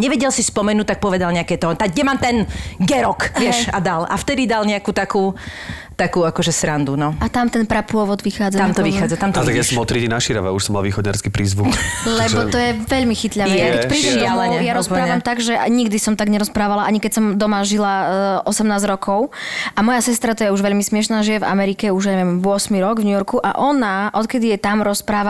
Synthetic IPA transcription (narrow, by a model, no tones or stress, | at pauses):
ɲɛʋɛɟɛlsispɔmɛnuːt̪̚ak̚pɔʋɛd̪alɲɛakɛːt̪ɔt̪aɡɲɛmaːmt̪ɛnɡɛɾɔkʋɪɛʃad̪ala̰ft̪ɛd̪id̪alɲɛakuːt̪akuː | t̪akuːakɔʒɛsɾand̪unɔat̪amt̪ɛnpɾapʊɔʋɔd̪ʋixaːd͡zat̪amt̪ɔʋixaːd͡zat̪amt̪ɔt̪aɡjasɔmɔt̪ɾidinaʃiɾa̰ʋa̰uʃsɔmalʋiːxɔd̪ɲa̰ɾskiːpɾiːzʋuklɛbɔt̪ɔjɛʋɛʎmixit̪ʎaɛjakɛpɾiʃɪalɛɛjaɾɔsɾaːʋamt̪aɡʒɛɲiɡd̪isɔmt̪aɡɲɛɾɔspɾaːʋalaʔaɲikɛsɔmd̪ɔmaʒilaʔɔsɛmnaːzɾɔkʰɔʊʔamɔjasɛst̪ɾat̪ɔjɛuʒʋɛʎmismɪɛʃnaːʒijɛva̰mɛɾikɛuʒjaɲɛʋɛmʋʊɔsmiɾɔɡvɲujɔɾkuʔa̰ʔɔnaʔɔt̪kɛd̪ijɛt̪amɾɔspɾaːʋa